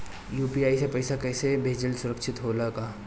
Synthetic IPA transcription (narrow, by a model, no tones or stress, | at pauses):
juːpiːaːisepɐɪsakɛːsebʱeːd͡ʒəlsʊɾəkʃʰɪt̪ɦoːlakaː